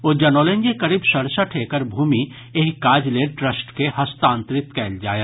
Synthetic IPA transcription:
oːd͡ʒɐnoːlẽɲd͡ʒekɐɾibsɐɾsaʈʰeːkəɾbʱuːmi | eɦkaːd͡ʒleːʈɾəsʈkehɐst̪ãːnt̪ɾɪt̪kɛːld͡ʒaːja

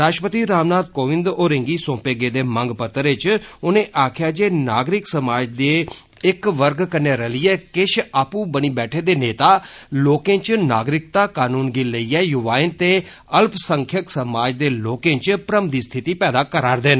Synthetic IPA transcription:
ɾaːʃʈpət̪iːɾaːmnaːd̪̚koːʋɪ̃nd̪oːɾẽŋɡiːsõːpeːɡeːd̪eːməŋɡpət̪ːɾɪt͡ʃʊnẽːʔaːkʰjaːd͡ʒeːnaːɡɾɪksəmaːd͡ʒd̪eː | ɪkʋəɾɡkəneːɾəliːɛːkɪʃaːpũːbəniːbɛːʈʰeːd̪eːneːt̪aːloːkẽːt͡ʃna̰ːɡɾɪkt̪aːkaːnuːnɡɪləiːɛːjʊʋaːɪnt̪eː | əlpsəŋkʰjəksəmaːd͡ʒd̪eːloːkẽːt͡ʃpɾəmd̪iːst̪ʰɪt̪iːpɛːd̪aːkəɾaːɾd̪eːn

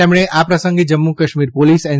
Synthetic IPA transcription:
ɛmɽ̃eʔapɾɐsə̃ŋɡed͡ʒɐmːukɐʃmiːɾpoːliːsɛ̃

